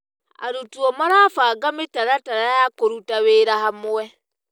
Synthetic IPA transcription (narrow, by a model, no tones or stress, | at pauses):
a̰ɾutuɔmaɾafaːɡametaɾataɾajakoɾutaβeːɾaɦamwɛ